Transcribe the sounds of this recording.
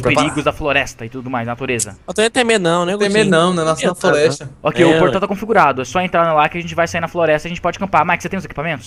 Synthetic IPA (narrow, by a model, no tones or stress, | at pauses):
speɾiɡʊzd̪ɐfloɾɛst̪ɐɪt̪ud̪ʊmajznat̪uɾezɐ̰ot̪ẽt̪emenɐ̃w̃nɛ̃emenɐ̃w̃nɛnasɐ̃floɾɛʃt̪ɐokejʊpoɾt̪at̪akõfiɡuɾad̪ʊɛsɔẽnt̪ɾanlakɪɐʒẽnt͡ʃɪvajsaiɾnɐfloɾɛst̪ɐʒẽnt͡ʃɪpɔd͡ʒɪkɐ̃mpaɾmakɪset̪ẽj̃ʊzeki̥pamẽnt̪ʊs